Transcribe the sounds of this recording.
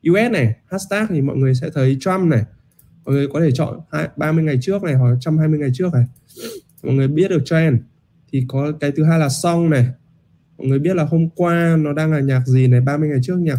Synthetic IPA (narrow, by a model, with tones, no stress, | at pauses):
ʔi˧wʔɛ˦˥t̚nɛ˨˩ha˦˥tst̪aː˦˥k̚t̪ʰi˨˩mɔ̰˧˨jŋɨ˨˩əjs̬ɛ̰˧˥t̪ʰə˨˦jt͡ɕwa˧mnɛ˨˩ | mɔ̰˧˨jŋɨ˨˩əjkɔ˨˦e˧˩t͡ɕɔ̰˧˨nhaː˧jɓaː˧mɨ˧əjŋa˨˩jt͡ɕɨ˦˥ək̚na˨˩jɦaː˨˩t͡ɕa˧mhaː˧jmɨ˧əjŋa˨˩jt͡ɕɨ˦˥ək̚na˨˩ | mɔ̰˧˨jŋɨ˨˩əɓi˦˥ət̚ɗɨ˨˩ək̚t͡ɕɔ˧ʔɛ˧m | t̪ʰi˨˩kɔ˨˦kaː˨˦jt̪ɨ˨˦ɦaː˧jlaː˨˩sɔ˧wŋ͡mnɛ˨˩ | mɔ̰˧˨jŋɨ˨˩əjɓi˦˥ət̚laː˨˩ɦo˧mkwaː˧nɔ˨˦ɗaː˧ŋlaː˨˩ɲaː˨˩k̚zi˨˩nɛ˨˩ɓaː˧mɨ˧əjŋa˨˩jt͡ɕɨ˦˥ək̚ɲaː˨˩